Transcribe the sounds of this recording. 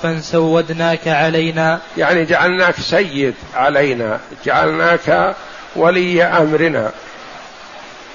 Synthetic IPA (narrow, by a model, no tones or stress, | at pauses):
ansawːad̪naːkaʕalajnaːjaʕnid͡ʒaʕalnaːksajːɪd̪ʕalajna̰d͡ʒaʕa̰lnaːka | wʔalɪjːaʔamɾɪna̰